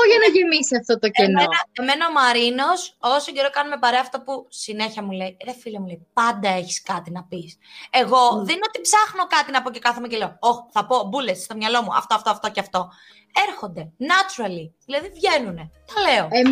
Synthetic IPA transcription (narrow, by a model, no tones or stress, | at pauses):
oʝɐnɐʝemisiɐft̪ot̪ocemnoenɐeme̞nɐomɐɾino̞sosoɟe̞ɾokɐnume̞pɐɾeɐːft̪o̞pusine̞çɐmule̞iɾefilɐmuleipɐnd̪ɐe̞çi̥skɐt̪inɐpise̞ɣo̞ðenot̪ipsɐxno̞kɐt̪inɐpo̞ce̞kɐθemecelooxθɐpo̞bulesst̪o̞mɲɐlo̞muɐ̰ft̪oɐft̪oɐft̪o̞ceɐft̪o̞ | eɾxo̞nd̪e̞nɐt͡ʃuɾɐliðilɐðivʝe̞nune̞t̪ɐle̞o̞e